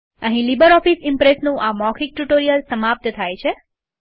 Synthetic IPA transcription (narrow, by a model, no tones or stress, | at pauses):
ə̃ɦĩlibəɾɔfisɪmpɾesnũʔamɔkʰik̚ʈuʈoɾijəlsəmap̚t̪ət̪ʰajt͡ʃʰe